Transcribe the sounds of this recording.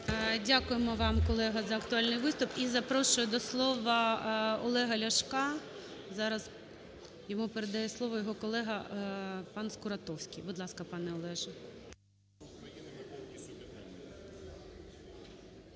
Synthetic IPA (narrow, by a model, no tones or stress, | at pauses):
dʲakʊjemɔʋɑmkɔlˠɛɦɐzɐɐkt̪ʊɑlʲnɪjʋɪst̪ʊpizɐpɾɔʃʊjʊd̪ɔslˠɔʋɐɔlˠɛɦɐlʲɐʃkɑzɑɾɐz | jɔmupeɾed̪ɐjɛslˠɔʋɔjɔɦɔkɔlˠɛɦɐ | pɑnskʊɾɐt̪ɔwsʲkʲɪjbʊd̪lˠɑskɐpɑnɛɔlˠɛʒɐ